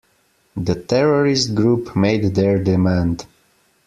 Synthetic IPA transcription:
ðətʰɛɹɔɹɪst̚ɡɹupmeɪd̪ðɛɹdɪmæ̃nd

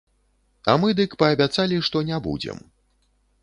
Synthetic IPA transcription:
a̰mɨd̪ɨkpɐːbʲat̪salʲiʂt̪ɔnʲɛbṵd͡zʲɛ̰m

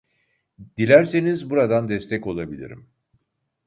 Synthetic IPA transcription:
d̪̥ilʲæɾse̞nizbuɾad̪and̪ɛst̪ʰɛko̞lˠabilʲḭɾḭm

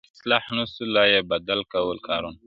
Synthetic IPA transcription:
ɪslɑħnusulajebad̪alkawəlkʰɑɾun

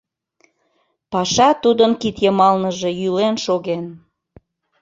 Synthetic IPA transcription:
pɑʃɑt̪ud̪ənkit̪jəmɑlnəʒe̽jylenʃoɣen

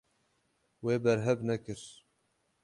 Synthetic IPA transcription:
weːbɛɾɦɛbnɛkɨɾ

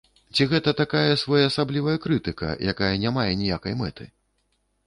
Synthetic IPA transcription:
t͡sʲiɣɛt̪ɐt̪akajɐsvɔjɐːsablʲivɐjɐkɾɨt̪ɨkɐ̰jʔakajɐnʲamajɛnʲijakɐjmɛt̪ɨ̰

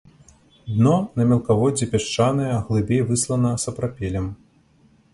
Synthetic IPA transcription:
d̪nɔnɐmʲɛlˠkavɔd͡zʲipʲaʂt͡ʂanɐjɛɣlˠɨbʲejvɨslˠɐnɐsɐpɾapʲɛlʲɛm

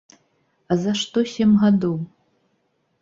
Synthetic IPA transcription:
azaʂt̪osʲemɣad̪ow

